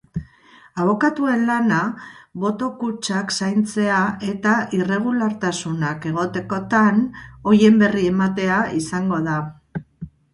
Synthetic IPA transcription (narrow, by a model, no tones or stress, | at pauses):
aβ̞o̞kat̪ue̞nlanaβo̞t̪o̞kut͡ʃaksajnt͡se̞ae̞t̪aʔire̞ɣ̞ulaɾt̪asunake̞ɣ̞o̞t̪e̞ko̞t̪ano̞je̞mbe̞rie̞mat̪e̞aisaŋɡo̞ða